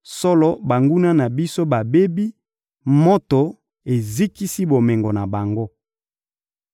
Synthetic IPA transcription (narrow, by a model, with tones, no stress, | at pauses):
sɔ˦lɔ˦ba˨ŋɡu˦na˦na˨bi˦so˦ba˨be˦bi˦ | mo˦to˨ | e˨zi˦ki˦si˦bo˨mɛ˨ŋɡo˨na˨ba˨ŋɡo˦